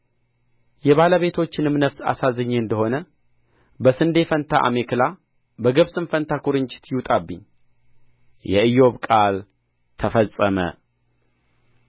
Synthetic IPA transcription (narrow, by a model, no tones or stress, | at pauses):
jɛβaləβe̞t̪ʰo̞t͡ʃːɪnɨmnəfsa̰sazɨɲːɨnd̪əho̞nə | bəsɨnd̪e̞fənt̪ʰa̰ʔa̰me̞kɨla | bəɡɨβsɨnfənt̪ʰakʰuɾɨɲt͡ʃʼɪ̥t̪jɪwt̪ʼabːɨɲː | jɛɨjo̞βkʼal | t̪ʰəfəsʼːəmə̰